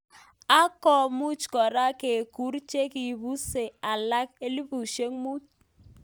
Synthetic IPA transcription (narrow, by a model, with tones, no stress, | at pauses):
a˦kɔ˨mu˦t͡ʃkɔ˨ɾa˦ke˨ku˨˦ɾt͡ʃe˦ki˨bu˦se˨a˨la˦ke˦li˦pu˨ʃe˦ŋmu˦t͡ʃ